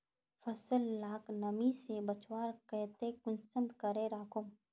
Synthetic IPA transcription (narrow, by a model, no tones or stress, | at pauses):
fɐsəlːaːknɐmisebɐt͡ʃwaːɾkɛːt̪ekʊnsəmd̪kəɾeɾaːkʊm